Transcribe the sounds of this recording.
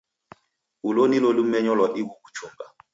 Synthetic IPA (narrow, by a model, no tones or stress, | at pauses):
ulonilolumɛɲɔlwaʔibukut͡ʃʰoŋɡa